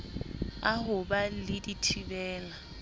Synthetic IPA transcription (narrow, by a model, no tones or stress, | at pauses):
aɦʊbalɪditʰibɛːla